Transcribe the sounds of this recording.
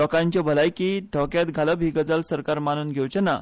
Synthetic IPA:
ɔkãɲt͡ɕabʱəlajkid̪ʱɔkjat̪ɡʱaləbʱiːɡəd͡zəlsəɾkaɾmanuːnɡʱewt͡ɕena

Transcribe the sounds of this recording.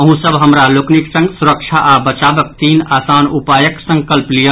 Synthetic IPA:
əɦũsəbɦəmɾalokniksə̃ŋɡsuɾəkʃʰaʔabət͡ʃaːbək̚t̪iːnaːsaːnupaːjəksə̃ŋkəlplijə

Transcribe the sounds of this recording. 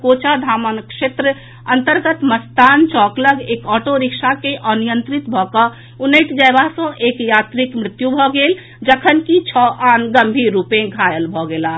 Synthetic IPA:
kot͡ʃad̪ʱamənkʃet̪ɾə | ənt̪əɾɡət̪məst̪ant͡ʃɔkləɡekɔːʈoɾiksakeʔənijənt̪ɾit̪bʱɔkə | unəɪʈd͡ʒaebasə̃ʔekjat̪ɾikmɾɪt̪jubʱɔɡel | d͡ʒəkʰənkit͡ʃʰɔʔanɡəmbʱiɾːupẽɡʱajəlbʱɔɡela

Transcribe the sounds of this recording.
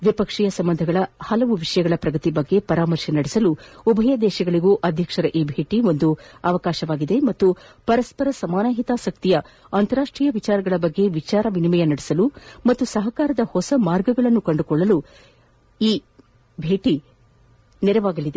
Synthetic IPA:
ʋipɐkʂijɐsɐmbɐnd̪ʱɐɡɐɭɐhɐlɐʋuʋiʂɐjɐɡɐɭɐpɾɐɡɐt̪ibɐɡːe̞pɐɾaːmɐɾʃɐnɐɽisɐluubʱɐjɐd̪ɛːʃɐɡɐɭiɡuːʔɐd̪ʱjɐkʂɐɾɐʔiːbʱe̞ːʈio̞nd̪uɐʋɐkaːʃɐʋaːɡid̪e̞mɐt̪ːupɐɾɐspɐɾɐsɐmaːnaːɦit̪aːsɐk̚t̪ijɐ | ɐnt̪ɐɾaːʂʈɾiːjɐʋit͡ʃaːɾɐɡɐɭɐbɐɡːe̞ʋit͡ʃaːɾɐʋinimɛjɐnɐɽisɐlumɐt̪ːusɐɦɐkaːɾɐd̪ɐhɔsɐmaːɾɡɐɡɐɭɐnːukɐɳɖukɔɭːɐlu | iː | bʱe̞ːʈi | nɛɾɐʋaːɡɐlid̪e

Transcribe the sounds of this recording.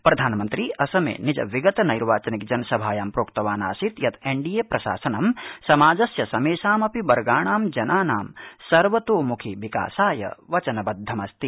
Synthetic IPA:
pɾɐd̪ʱaːnmɐnt̪ɾiɐsɐmḛːnid͡ʒɐ̰ʋiɡɐt̪ɐnɐjɾʋaːt͡ʃɐnik̚d͡ʒɐnɐsɐbʱaːjaːmpɾoːkt̪ɐʋaːnaːsit̪jɐt̪ʰeɳɖijeːpɾɐʃa̰ːsɐnɐmsɐmaːd͡ʒɐsjɐsɐmeːʃaːmɐpibɐɾɡaːɳaːmd͡ʒɐnaːnaːmsɐɾʋɐt̪oːmukʰiʋika̰ːsaːjɐ̰ʋɐt͡ʃɐnɐbɐd̪ʱːɐmɐst̪i

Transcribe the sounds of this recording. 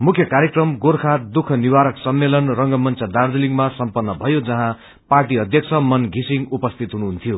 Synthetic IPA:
mukʰjʌkaɾjekrʌmɡoɾkʰat̪̚d̪ukʰʌniwaɾʌksʌmːelʌnrʌŋɡʌmʌnt͡sʰʌd̪ard͡z̪iliŋɡmasʌmpʌnːʌbʱʌjod͡zʌɦã | parʈ̬iʌd̪ʱjʌk̚t͡sʰʌmʌnɡʱisiŋupʌst̪ʰit̪ɦunuɦunt̪ʰijo

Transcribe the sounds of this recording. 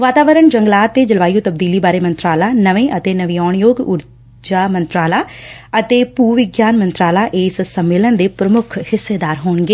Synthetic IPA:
ʋaːt̪aːʋəɾəɳd͡ʒəŋɡlaːt̪ːeːd͡ʒəlʋaːjoːt̪əb̚d̪iːliːbaːɾeːmə̃nt̪ɾaːlaːnəʋẽːʔət̪eːnəʋiːɔːɳjoːɡʊɾ | d͡ʒaːmə̃nt̪ɾaːlaːət̪eːpuːʋɪɡjaːnmənt̪ɾaːlaːʔeːssəmːeːlənd̪eːpɾəmʊkʰhɪsːeːd̪aːɾɦoːɳɡeː

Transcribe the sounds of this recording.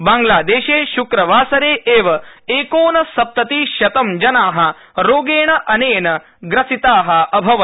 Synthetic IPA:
baːŋɡlaːd̪eːʃeːʃukɾɐʋaːsɐɾeːʔeːʋɐeːkoːnɐsɐp̚t̪ɐt̪iːʃjɐt̪ɐmd͡ʒɐnaːɦɐ | ɾoːɡeːɳɐʔɐneːnɐ | ɡɾɐsit̪aːɦɐ̆ʔɐbʱɐʋɐ

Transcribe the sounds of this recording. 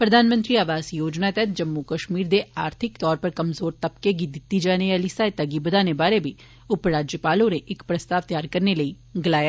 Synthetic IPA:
pɾɐd̪ʱaːnmə̃nt̪ɾiaːʋaːzjoːd͡ʒnat̪ɛɦt̪̚ʰd͡ʒɐmːukɐʃmiːɾd̪eʔaːɾt̪ʰɪkt̪ɔːɾpɐɾkɐmzoːɾt̪ɐpkeɡid̪ɪt̪ːid͡ʒaːnealisaːet̪ɐɡibɐd̪ʱaːnebaːɾebʱi | ʊpɾaːd͡ʒjəpaːlõneʔɪkpɾɐst̪aːʋt̪jaːɾkɐɾnelɐi | ɡɐlaːja

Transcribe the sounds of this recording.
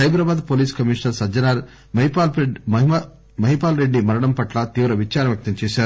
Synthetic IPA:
ɐjbɾɐːbaːd̪poːliːskɐmiːʂnɐɾsɐd͡ʒɐnaːɾ | mɐɦipale | mɐɦipaːlɾe̞ɖːimɐɾɐɽɐmpɐʈlɐt̪iːʋɾɐʋit͡ʃaːɾɐnmʋjɐk̚t̪ɐmt͡ʃɛːsaːɾu

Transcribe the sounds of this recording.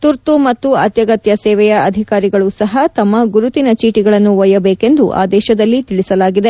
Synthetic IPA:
t̪uɾt̪umɐt̪ːuɐ̰t̪jɐɡɐt̪jɐsɛːʋɛjɐɐd̪ʱikaːɾiɡɐɭusɐɦɐt̪ɐmːɐɡuɾut̪inɐt͡ʃiːʈiɡɐɭɐnːuʋɐjɐbeːke̞nd̪uʔa̰ːd̪ɛːʃɐd̪ɐlːit̪iɭisɐlaːɡid̪e̞

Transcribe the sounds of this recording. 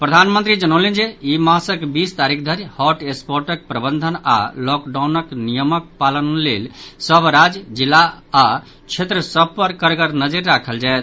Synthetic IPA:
pɾəd̪ʱanmənt̪ɾid͡ʒənəwlend͡ʒeimãsəkbist̪aɾik̚ʰd̪ʱəɾjhɔʈespoɾʈək̚pɾəbənd̪ʱəna̰lɔkɖawnəknijəmək̚palənlelsəbʱɾad͡ʒd͡ʒilːaː | t͡ʃʰet̪ɾəsəbʱpəɾkəɾɡəɾnəd͡ʒəɾːakʰəld͡ʒajt̪

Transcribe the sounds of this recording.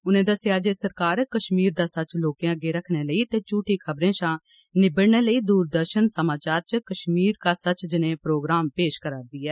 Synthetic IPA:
ʊnẽːd̪əsejaːd͡ʒeːsəɾkaːɾkəʃmiːɾd̪aːsət͡ʃloːkẽəɡeːɾəkʰneːləiːt̪eːt͡ʃuːʈiːkʰəbɾẽːʃãː | nɪbəɽneːləiːd̪uːɾd̪əɾʃənsəmaːt͡ʃaːɾt͡ʃəkəʃmiːɾkaːsət͡ʃd͡ʒɪnẽːpɾoːɡɾaːmpeːʃkəɾaːd̪iːɛː

